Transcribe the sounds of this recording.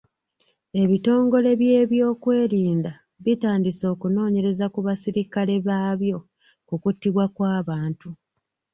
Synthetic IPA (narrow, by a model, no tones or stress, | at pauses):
e̞βito̞ːŋɡo̞le̞βje̞ːβjo̞ːkwe̞ːɾiːnda | βitaːndiso̞ːkuno̞ːɲe̞ɾe̞zakuβasiɾikale̞βaːβjo̞ | kukutːiβwakwaːβaːntu